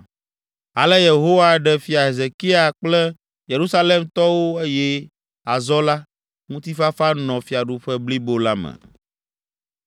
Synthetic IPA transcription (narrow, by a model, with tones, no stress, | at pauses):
a˨lɛ˦je˨ɦo˦wa˦ɖɛ˦fi˨a˨ɦe˨ze˨ki˦a˨k͡plɛ˦ | je˨ɾu˦sa˦le˦mt̪ɔ˦wo˦e˦jɛ˦ | a˨zɔ˦la˦ | ŋũ˦t̪i˦fa˦fa˦nɔ̃˨fi˨a˨ɖu˨ɸɛ˦bli˦bo˦la˦mɛ̰˨